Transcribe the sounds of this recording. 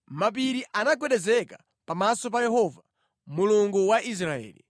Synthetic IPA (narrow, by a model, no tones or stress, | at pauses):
map̬iɾiʔanaɡwɛɗɛzɛka | pamasɔp̬ajɛɦɔva | muluŋɡuwaʔis̬ɾaɛ̰ːlḭ